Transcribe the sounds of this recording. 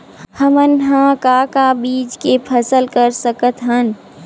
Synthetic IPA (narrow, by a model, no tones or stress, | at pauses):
həmənɦãkakabiːd͡ʒkepʰəsəlkəɾsəkət̪ɦən